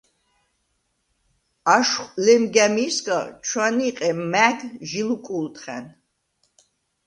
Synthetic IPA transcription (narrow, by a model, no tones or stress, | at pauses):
aʃχlɛmɡæmiskʼat͡ʃʰwaniqʼɛmæɡʒilukʼult̪ʰʼχɛ̰n